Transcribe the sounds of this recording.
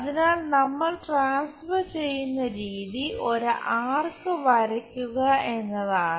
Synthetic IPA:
ɐðinaːɭnɐmːɐɭʈraːnsfɐrt͡ɕe̞jːunːɐɾiːðio̞ɾɨʔaːrkɨʋɐɾɐkʲːuɣɐe̞nːɐðaːɳɨ

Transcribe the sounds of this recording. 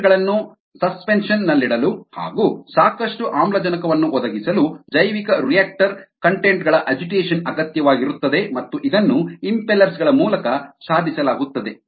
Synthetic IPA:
ɡɐɭɐnːu | sɐspenʂɐnːɐlːiɽɐluha̰ːɡuːsaːkɐʂʈuʔaːmlɐd͡ʒɐnɐkɐʋɐnːuʔɔd̪ɐɡisɐlud͡ʒɐjʋikɐɾijaːk̚ʈɐɾkɐɳʈeɳʈɡɐɭɐʔɐd͡ʒiʈeːʂɐnɐɡɐt̪jɐʋaːɡiɾut̪ːɐd̪e̞mɐt̪ːuʔid̪ɐnːuimpelɐɾsɡɐɭɐmuːlɐkɐʃaːd̪ʱisɐlaːɡut̪ːɐd̪e̞

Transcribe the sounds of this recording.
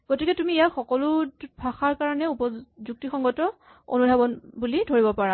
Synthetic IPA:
ɡ̥otikɛtumiɛjaxɔkɔlʊbʰʱaxaɹkaɹɔnɛupɔzuk̚tixɔŋɡɔtɔ | o̰nudʱabɔnbulidʱoɹibɔpaɹa

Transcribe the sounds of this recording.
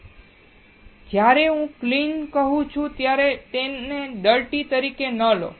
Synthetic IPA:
d͡ʒjaɾeɦũklinkəɦũt͡ʃʰũt̪jaɾet̪eneɖəɭʈit̪əɾikenəlo̰

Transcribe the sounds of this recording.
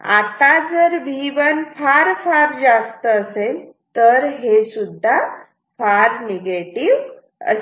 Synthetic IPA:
a̰t̪ad͡zəɾbʱiʋənfʰaɾfaɾd͡zast̪əːsel | t̪əɾɦesud̪ʱːa | faɾneɡeʈiʋ | ə̰

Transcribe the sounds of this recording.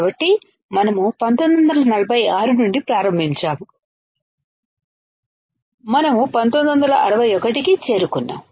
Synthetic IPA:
bɐʈːi | mɐnɐmupɐnt̪ond̪ɐnd̪ɐlɐnɐlɐbʱɐjaːɾunuɳɖipɾaːɾɐmbʱiɲt͡ʃaːmu | mɐnɐmupɐnt̪ond̪ɐnd̪ɐlɐʔɐɾɐʋɐjɔkɐʈikit͡ʃe̞ːɾukunːa̰ːm

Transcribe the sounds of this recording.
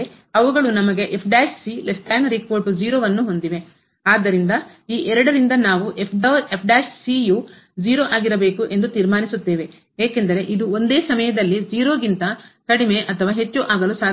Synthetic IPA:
e | ɐʋuɡɐɭunɐmɐɡe̞ʔepʰɖaːʃsilesʈaːnɾikoːɾʈud͡ʒiːɾoːʋɐnːuɦo̞nd̪iʋe̞ | aːd̪ːɐɾind̪ɐ | iːʔɛɾɐɽɐɾind̪ɐnaːʋuʔepʰɖɐɾepʰɖaːʃsiːju | d͡ʒiːɾo̞ːʔaːɡiɾɐbe̞ːkuʔe̞nd̪ut̪iːɾmaːnisut̪ːe̞ːʋe̞ | ɦeːke̞nd̪ɐɾe̞ʔid̪uond̪e̞ːsɐmɐjɐd̪ɐlːid͡ʒiːɾo̞ːɡint̪ɐkɐɽimeʔɐt̪ʰɐʋaːɦe̞t͡ʃːuʔaːɡɐlusaː

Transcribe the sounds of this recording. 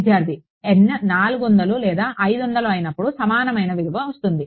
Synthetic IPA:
d̪jaːɾd̪i | ennaːluɡond̪ɐlulɛːd̪aːʔɐjd̪ond̪ɐluɐjnɐpːuɽusɐmaːnɐmɐjnɐʋid̪uʋɐʋɐst̪und̪i

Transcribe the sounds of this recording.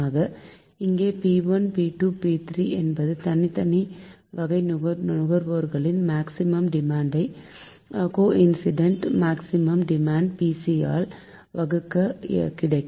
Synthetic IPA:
aːɣɐ | ɪŋɡeːpiʋɐnpiːʈuːpiːt̪ɾiːʔɛnbɐðɯt̪ɐnɪt̪ɐniʋɐɣɐɪʊɣɐɾʋoːɾɣɐɭɪnmaːksɪmɐmɖɪmaːɳɖɐɪ | koːʔɪnsɪɖɐɳʈmaːksɪmɐmɖɪmaːɳɖ̚piːsia̰ːl | ʋɐɣɯkːɐkɪɽɐɪkː

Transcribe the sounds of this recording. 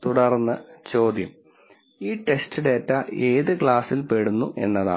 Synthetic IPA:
t̪uɽɐrnːɐt͡ɕo̞ːd̪jɐm | iːʈe̞stʰiɽetːɐe̞ːðɨkɭaːsilpeɽunːuʔe̞̰nːɐða̰ː

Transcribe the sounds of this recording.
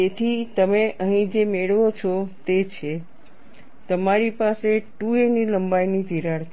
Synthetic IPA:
et̪ʰit̪əmeʔəɦĩd͡ʒemeɭʋot͡ʃʰɔt̪et͡ʃʰe | t̪əmaɾipaseʈueniləmbajnid̪ʱiɾaɾt̪ʰi

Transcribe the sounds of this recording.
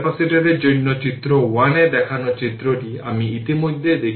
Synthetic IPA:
pasiʈeɾed͡ʒojnːɔt͡ʃit̪ɾɔwañed̪ɛkʰanɔt͡ʃit̪ɾɔɾiamiːt̪imod̪ʱːed̪ekʰ

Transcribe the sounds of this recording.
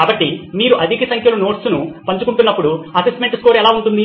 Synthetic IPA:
kaːbɐʈːimiːɾuʔɐd̪ʱikɐsɐŋkʰjɐluno̞ːʈsunupɐɲt͡ʃukuɳʈunːɐpːuɽuɐsesʈmeɳʈskoːɾɛlaːuɳʈund̪i

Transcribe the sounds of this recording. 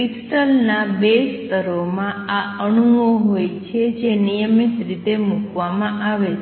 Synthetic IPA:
isʈəlnabest̪əɾomãaəɳuʋoɦojt͡ʃʰed͡ʒenijəmit̪ɾit̪emũkʋamãʔaʋe

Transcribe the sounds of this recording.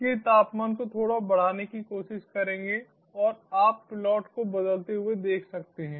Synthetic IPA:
ket̪aːpmankot̪ʰoːɽabɐɽ̤aːnekikoːʃɪʃkɐɾẽːŋɡe | ɔːɾaːpːɪlɔːʈkobɐd̪əlt̪eɦʊed̪eːkʰsɐk̚t̪eɦɛ̃ː

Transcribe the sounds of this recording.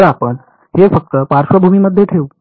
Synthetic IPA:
ɾapən | ɦefək̚t̪əpaɾʃʋəbʱumiməd̪ʱːjeʈʰeu

